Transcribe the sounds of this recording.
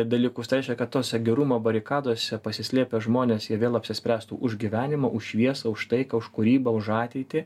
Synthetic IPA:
d̪ɐlʲiːkʊst̪ɐɾʲɛɪʃʲkʲɛkɐt̪t̪oːsʲɛɡʲɛɾuːmoːbɐɾʲɪkɑːd̪oːsʲɛpɐsʲɪsʲlʲeːpʲeʒmoːnʲeːsjiɛʋʲeːlˠɐpʲsʲɪsʲpʲɾʲæːst̪ṵːʔʊʒɡʲiʋʲæːnʲɪmɐʔʊʃʃʲʋʲiɛsɐʊʃt̪ɐɪkɑʊʃkʊɾʲiːbɐʊʃɑːt̪ʲɛɪt̪ʲɪ

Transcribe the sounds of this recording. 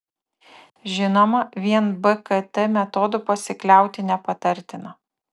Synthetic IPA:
ʒʲɪnomɐʋʲiɛnbɛkɐt̪ɛmʲɛt̪ɔːd̪ʊpɐsʲɪklʲæˑʊt̪ʲɪnʲɛpɐt̪ɐɾʲt̪ʲɪnɐ

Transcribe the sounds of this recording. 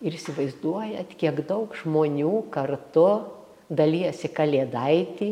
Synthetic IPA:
ɪɾɪsʲɪʋɐɪzd̪uɔjɛt̪kʲiɛɡd̪ɐʊkʒmoːnʲuːkɐrt̪ʊ | d̪ɐlʲiːɛsʲɪkɐlʲeːd̪ɐɪt̪ʲiː

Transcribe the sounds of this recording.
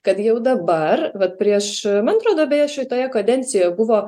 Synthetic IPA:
kɐt̪jɛʊd̪ɐbɐrʋɐt̪̚pʲɾʲiɛʃmɐnɐt̪ɾoːd̪oːbʲɛjɛʃʲɛɪt̪oːjɛkɐd̪ʲɛnʲt̪t͡ssʲɪjjbʊʋoː

